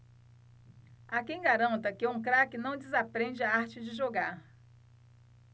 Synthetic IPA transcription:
akẽj̃ɡaɾɐ̃nt̪ɐkɪũkɾakɪnɐ̃w̃d͡ʒɪzapɾẽd͡ʒɪaaɾt͡ʃɪd͡ʒɪʒoɡaɾ

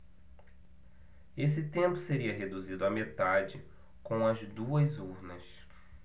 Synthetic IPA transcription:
es̬ɪt̪ẽmpʊseɾiɐɦed̪uzid̪ʊɐmet̪ad͡ʒɪ | kõw̃ɐzd̪uɐzuɾnɐs

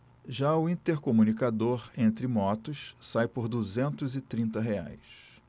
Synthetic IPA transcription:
ʒaʊĩt̪eɾkomunikad̪oɾẽnt̪ɾɪmɔt̪ʊssajpoɾd̪uzẽnt̪ʊzɪt̪ɾĩnt̪ɐɦea̰js

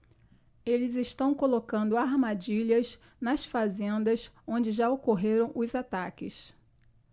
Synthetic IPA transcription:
elɪzɪʃt̪ɐ̃w̃kolokɐ̃nd̪ʊaɾmad͡ʒiʎɐz | nɐsfazẽnd̪ɐsõd͡ʒɪʒaokoɦeɾɐ̃w̃ʔʊzat̪akɪs

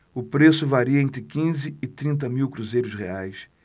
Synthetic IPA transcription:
ʊpɾesʊvaɾiɐẽnt̪ɾɪkĩzɪːt̪ɾĩnt̪̬ɐmiwkɾuzejɾʊsʁḛajs

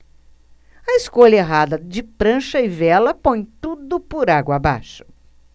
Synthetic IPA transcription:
ɐɪskoʎɐeɦad̪ɐd͡ʒɪpɾɐ̃ʃɐɪvɛlɐpõj̃t̪ud̪ʊpʊɾaɡwɐaba̰ʃʊ̥

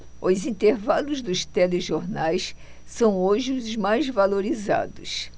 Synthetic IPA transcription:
ʊzĩnt̪eɾvalʊzd̪ʊst̪ɛleʒoɾnajs | sɐ̃w̃oʒɪʊzmajzvaloɾiza̰d̪ʊs

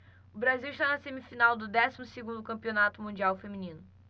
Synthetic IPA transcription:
ʊbɾaziwiʃt̪anɐsẽmifinawd̪ʊd̪ɛsimʊseɡũnd̪ʊkɐ̃mpionat̪ʊmũd͡ʒiawfemĩnĩnʊ

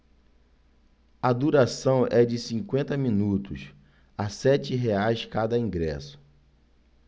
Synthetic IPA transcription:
ɐd̪uɾasɐ̃w̃ʔɛd͡ʒɪsĩŋkwẽnt̪ɐmĩnut̪ʊs | asɛt͡ʃɪɦeajskad̪ɐĩŋɡɾɛ̰sʊ̥

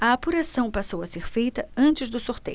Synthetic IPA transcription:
ɐːpuɾasɐ̃w̃pasowɐseɾfejt̪ɐɐ̃nt͡ʃɪzd̪ʊsuɾt̪ḛjʊ

